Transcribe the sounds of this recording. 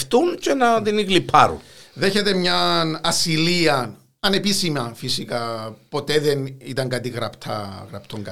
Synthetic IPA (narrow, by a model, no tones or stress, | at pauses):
ft̪uncenɐðiniɣlipʰːɐ̰ɾṵnðeçet̪emɲɐnɐsiliɐn | ɐne̞pisimɐnfisikɐpo̞t̪eðenit̪ɐŋɡɐt̪iɣɾɐpt̪ʰɐ̰ɣɾɐpt̪ʰoŋɡɐ̰